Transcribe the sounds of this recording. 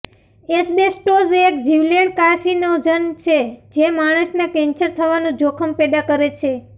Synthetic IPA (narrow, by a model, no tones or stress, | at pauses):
esbesʈozeekd͡ʒiʋləɳkaɾʃinod͡ʒənt͡ʃʰed͡ʒemaɽ̃əʃnakɛ̃nt͡ʃəɾt̪ʰəʋanũd͡ʒokʰəmpɛd̪akəɾet͡ʃʰe